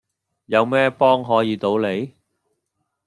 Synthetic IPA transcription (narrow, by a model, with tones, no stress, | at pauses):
jɐ˨˧wmɛː˥pɔː˥ŋɦɔː˨˥jiː˨˧t̪o˨˧˥wle˨˧j